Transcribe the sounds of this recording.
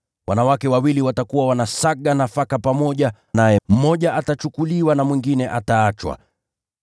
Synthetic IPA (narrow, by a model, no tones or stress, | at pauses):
wanawakɛwawiliwatakuwawanasaɠanafakapamɔʄa | najɛm̩mɔʄaʔatat͡ʃukuliwanamwiŋɡinɛʔataat͡ʃwa̰